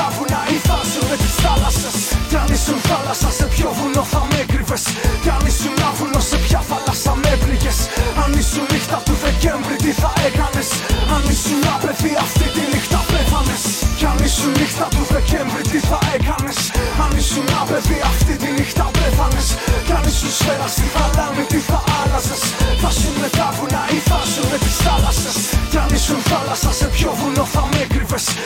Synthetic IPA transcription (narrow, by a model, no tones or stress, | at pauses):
ɐvunɐiθɐsunmet̪i̥sθɐlɐsesceɐnisunθɐlɐsɐse̞pço̞vulo̞θɐmekɾive̞sceɐnisunnɐvulosepçɐθɐlɐsɐmepliʝe̞sɐnisunnixt̪ɐt̪uðe̞ce̞ɱvɾit̪iθɐe̞kɐne̞s | ɐnisunɐpe̞viɐft̪it̪inixt̪ɐpefɐnescɐnisunnixt̪ɐt̪uðeceɱvɾit̪iθɐekɐnesɐnisunnɐpeviɐft̪it̪inixt̪ɐpeθɐneskɐnisusfeɾɐst̪iθɐlɐmit̪iθɐʔɐlɐsesθɐsunmeθɐvunɐiθɐsunmet̪i̥sθɐlɐsescɐnisunθɐlɐsɐsepçoðuloθɐmekɾive̞s